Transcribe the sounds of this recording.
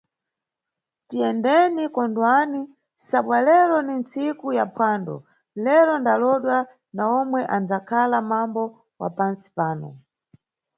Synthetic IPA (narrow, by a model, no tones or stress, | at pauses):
tiɛndɛnikɔndwani | saɓwalɛɾɔnint͡sikujapʰwaːndɔ̰ | lɛɾɔndalɔɗwa | naɔmwɛʔand͡zakʰalamambɔ | wa̰pansi̥paːnɔ̰